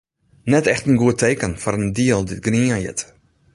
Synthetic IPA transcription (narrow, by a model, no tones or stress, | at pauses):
nɛtɛxtənɡuətejkənfɔɾəndiəlˠdɪt̚ɡriəjɪ̰t